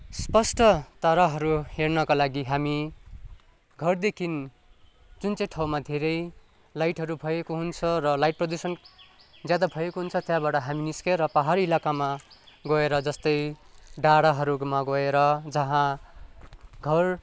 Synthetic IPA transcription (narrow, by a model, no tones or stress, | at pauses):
spʌsʈʌt̪ʌɾaɦʌɾuhernʌkalaɡiɦami | ɡʱʌrd̪ekʰin | d͡zunt͡sʌj̃ʈʰawmad̪ʱeɾʌj | lajʈɦʌɾubʱʌjekoɦunt͡sʰʌrʌlajʈ̚prʌd̪usʌn | d͡zjad̪abʱʌjekoɦunt͡sʰʌt̪jãbaʈʌɦaminiskeɾʌpʌɦaɾiilakamaɡʌeɾʌd͡zʌst̪ʌjɖaɽaɦʌɾumaɡʌeɾʌd͡zʌɦã | ɡʱʌr